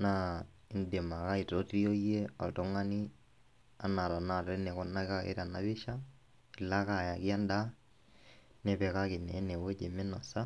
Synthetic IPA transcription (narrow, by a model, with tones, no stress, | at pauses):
na˦ | ɪ˨nde˨ma˨ka˦ɪ˨to˦ti˦o˦je˦ɔ̰˨tɔ˦ŋa˦ni˦ | a˨˦na˨ɾɔ˨na˦˨te˦nɛ˨kɔ˦na˦ka˦ɪ̰˦ɾa˨na˦bɪ˦ʃa˦ | ɪ˨la˦ka˨ja˨ki˦a˦nda˦ | nɛ˦pɛ˨ka˦kɪ˨nɛ˨˦ne˨we˦t͡ʃe˨mɛ˦nɔ˨sa˦